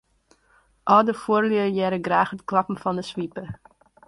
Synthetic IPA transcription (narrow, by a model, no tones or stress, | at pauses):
ʔɔlˠdəfuərliəjɛɾəɡraːχətklɑpm̩fɔndəsʋipə